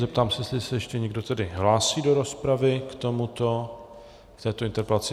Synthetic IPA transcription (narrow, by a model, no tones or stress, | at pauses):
zɛp̚t̪aːmsɛslɪɛsɛjɛʃcɛɲɛɡ̚do̞t̪ɛdɪɦlaːsiːdo̞ɾo̞spɾavɪkt̪o̞mut̪o̞ | kt̪ɛːt̪oɪnt̪ɛɾpɛlat͡sɪ